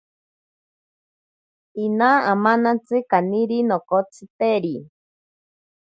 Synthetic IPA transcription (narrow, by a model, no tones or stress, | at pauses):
inaamanat͡sɨkaniɾinokot͡sʰɨt̪eɾi